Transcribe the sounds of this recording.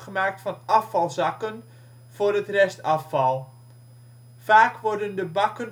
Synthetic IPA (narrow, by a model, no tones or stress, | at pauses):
χəmaːk̚tfɑnɑfɑlˠzɑkən | v̥ʊːrətrɛstɑfɑlˠ | faːkʋɔrdəndəbɑkən